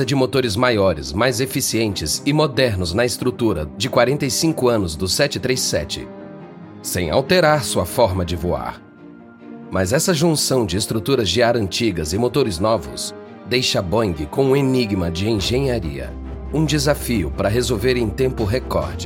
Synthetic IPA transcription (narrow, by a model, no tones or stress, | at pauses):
ɐd͡ʒɪmot̪oɾɪzmajɔɾɪ̰zmajzefisiẽnt͡ʃɪzɪmod̪ɛɾnʊznɐɪst̪ɾut̪uɾɐd͡ʒɪkwaɾẽnt̪ɐjsĩŋkʊɐ̃nʊzd̪ʊsɛt͡ʃɪt̪ɾejsɛ̰t͡ʃɪ̰ | sḛ̃j̃a̰wt̪eɾaɾsuɐfɔɾmɐd͡ʒɪvua̰ɾ | mɐzɛsɐʒũsɐ̃w̃d͡ʒɪːst̪ɾut̪uɾɐzʒiaɾɐ̃nt͡ʃiɡɐzɪmot̪oɾɪznɔvʊ̰s | d̪ejʃɐbɐ̃ɡɪkõw̃ũeniɡmɐd͡ʒɪẽʒẽɲaɾḭɐ̰ | ũd͡ʒɪzafiʊpɾɐɦezowveɾẽt̪ẽmpʊɦekɔ̰ɾd͡ʒɪ